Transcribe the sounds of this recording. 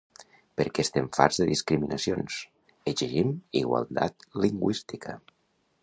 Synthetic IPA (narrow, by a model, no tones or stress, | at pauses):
pəɾkɛst̪eɱfa̰ɾzðəðiskɾiminəsjons | eziʒimiɣwa̰lˠt̪a̰t̪liŋɡwist̪ikʰə